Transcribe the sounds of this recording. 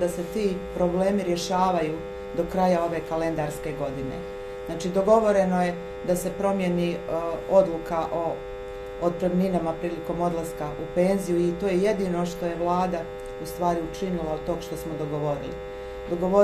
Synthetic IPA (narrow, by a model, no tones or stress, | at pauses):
d̪ase̞t̪iːpɾo̞ble̞ːmiɾje̞ʃaːʋajuː | d̪o̞kɾajao̞ʋe̞kale̞nd̪aɾske̞ɡo̞d̪inḛ | znaːt͡ʃiːd̪o̞ɡo̞ʋo̞ɾe̞noje̞ | d̪ase̞pɾo̞mjeniod̪lˠukaʔoː | d̪̚p̪ɾemninamapɾiːliko̞mo̞d̪lˠaskaʔupe̞ːnzijuit̪o̞ːjeje̞d̪iːno̞ʃt̪o̞je̞ʋlˠaːd̪a | ust̪ʋaːɾiut͡ʃinilˠaod̪̚t̪oɡʃt̪o̞smod̪o̞ɡo̞ʋo̞ɾḭlḭ | d̪o̞ɡo̞ʋo